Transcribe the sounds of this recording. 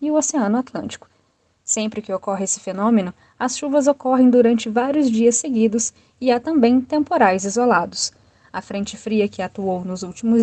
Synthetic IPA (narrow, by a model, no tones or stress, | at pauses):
ɪʊoseɐ̃nʊat̪lɐ̰̃nt͡ʃi̥kʊ̥ | sẽmpɾɪkɪokɔɦɪesɪ̥fenõmenʊ | ɐsʃuvɐzokɔɦẽj̃d̪uɾɐ̃nt͡ʃɪvaɾiʊzd͡ʒiɐsːeɡid̪ʊs | ɪat̪ɐ̃mbẽj̃t̪ẽmpoɾajzizolad̪ʊs | ɐfɾẽnt͡ʃɪfɾiɐkɪat̪uownʊzuwt͡ʃimʊz